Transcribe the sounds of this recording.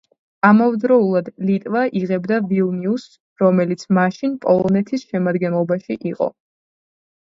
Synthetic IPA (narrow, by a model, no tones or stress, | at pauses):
amavd̪ɾɔulˠad̪lit̪ʼvaʔiʁɛbd̪avilˠnius | ɾɔmɛlit̪sʰmaʃinpʼɔlˠɔnɛt̪ʰisʃɛmad̪ɡɛnlˠɔbaʃiʔiqʼɔ̰